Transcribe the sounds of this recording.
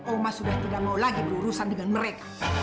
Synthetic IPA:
ɔmasudaht̪idamaulaɡibəuɾusandəŋanməɾekḁ

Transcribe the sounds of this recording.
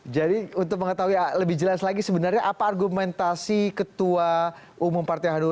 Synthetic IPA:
d͡ʒadiunt̪ʊk̚məŋət̪aɦuialəbɪhd͡ʒəlaslaɡisəbənarɲaʔapaːrɡumɛnt̪asikət̪ua | ʔumʊmpart̪aɦanu

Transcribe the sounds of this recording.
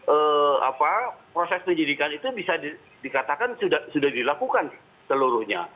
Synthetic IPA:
əa̰papɾosɛsməɲd͡ʒidikanit̪ubisadi | dikat̪akansudahsudahdilakukan | səluɾʊhɲa̰

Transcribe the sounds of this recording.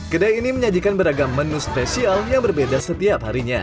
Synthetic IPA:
kədajiniməɲad͡ʒikanbəɾaɡamːənuspesialjaŋbərbedasət̪iaphaɾiɲa̰

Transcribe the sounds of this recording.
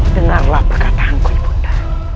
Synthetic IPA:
dəŋarlahpərkat̪ahankulpu̥dḁ

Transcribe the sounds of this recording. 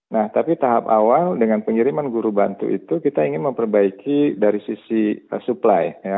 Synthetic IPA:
naht̪apit̪aɦapawaldəŋanpəŋiɾimanɡuɾubant̪ṵʔḭt̪ukit̪aiŋɪnməmpərbaikidaɾisisiəsuplajja

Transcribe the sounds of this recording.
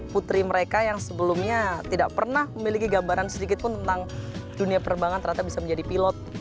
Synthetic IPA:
put̪ɾiməɾekajaŋsəbəlumɲat̪idaʔpərnahməmilikiɡabaɾansədikɪt̪̚pʊnt̪ənt̪aŋduniapəɾəmbaŋant̪ərhat̪ap̚bisaməɲd͡ʒadipilɔt̪̚

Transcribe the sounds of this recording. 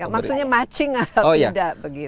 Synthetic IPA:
jamaksuɲamat͡ʃɪŋaojadaʔbəɡi

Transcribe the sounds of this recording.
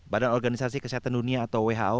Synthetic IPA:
badanɔrɡanisasikəsiɦat̪anduniaːt̪awweɦa̰o

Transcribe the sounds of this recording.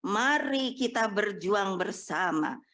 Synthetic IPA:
maɾikit̪abərd͡ʒuaŋbərsama̰

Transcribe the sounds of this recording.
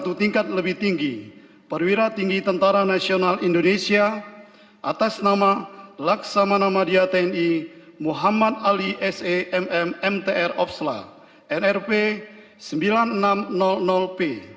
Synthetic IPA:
t̪ut̪iŋkat̪̚ləbɪht̪iŋɡi | pərwiɾat̪iŋɡit̪ənt̪aɾanasionalindonesia | ʔa̰t̪asnamalaksamanamadiat̪ɛɛnimuɦamat̪̚aliʔɛseʔɛmɛmɛmt̪eʔɛrɔf̚sla̰ | ʔɛnɛrpe | səmbilannamnɔlnɔlpe

